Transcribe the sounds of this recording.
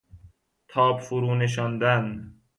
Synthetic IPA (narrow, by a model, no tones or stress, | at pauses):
t̪ʰɒːbfuɾuːneʃ̬ɔnd̪æn